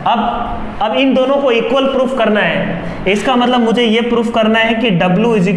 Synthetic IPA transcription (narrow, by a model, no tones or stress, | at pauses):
ɐb | ɐbɪnd̪oːnõkoiːkwəlpɾuːfʰkɐɾnaɦɛː | ɪskamɐt̪ləbmʊd͡ʒʱejepɾuːfkɐɾnaɦɛkiɖɐbljuɪd͡ʒɪk